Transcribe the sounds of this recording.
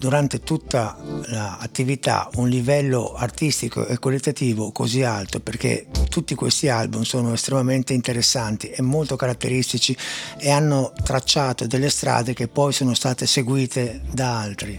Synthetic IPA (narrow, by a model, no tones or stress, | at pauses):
d̪uɾant̪et̪ut̪ːalaːt̪ːivit̪a̰unlivɛlːoart̪ist̪iko̰ʔekːolːet̪ːat̪iːvokozialt̪operk̟ḛt̪ut̪ːikwḛst̪ialbumsoːnoest̪ɾemament̪eint̪eɾesːant̪iemːolt̪okaɾat̪ːeɾist̪it͡ʃieanːot̪ɾat͡ʃːaːt̪od̪elːest̪ɾa̰ːd̪ek̟epːɔjsoːnost̪aːt̪eseɡwiːt̪ed̪aalt̪ɾi